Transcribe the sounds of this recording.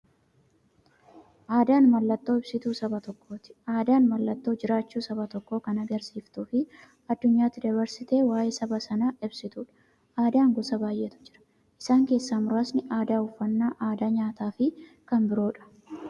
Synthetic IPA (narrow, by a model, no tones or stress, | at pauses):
ʔaːd̪aːnmɐlːɐt̪ːo̞ːɪbsɪt̪uːsɐbɐt̪ɔkːo̞ːt̪ɪ̥aːd̪aːnmɐlːɐt̪ːo̞ːd͡ʒɪɾaːt͡ʃːuːsɐbɐt̪ɔkːo̞ːkɐnɐɡɐɾsiːft̪uːfɪ | ɐd̪ːʊɲːaːt̪ːɪd̪ɐβɐɾsɪt̪e̞ːwaːjeːsɐbɐsɐnaːʔɪbsɪt̪uːᶑɐ̥ | aːd̪aːŋɡɔsɐbaːjʔɛt̪ʊ̥d͡ʒɪɾɐ̥ | ʔɪsaːŋke̞ːsːamʊɾaːsnɪʔaːd̪aːʊfːɐnːaːʔaːd̪aːɲaːt̪aːfɪ | kɐnbɪɾo̞ːᶑɐ̥